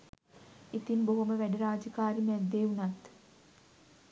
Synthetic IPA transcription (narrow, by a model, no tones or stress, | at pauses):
it̪inboɦuməʋæɖəɾaːd͡ʒəkaːɾimɛd̪ːeunat̪